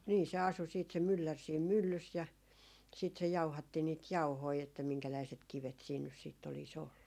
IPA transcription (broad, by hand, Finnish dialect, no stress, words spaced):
niː se ɑsu siːt se mylːær siːm mylːys jɑ siːt se jɑuhɑtːi niːt jɑuhoi etːæ miŋkælæiset kiʋet siːn nys siːtː olis olːu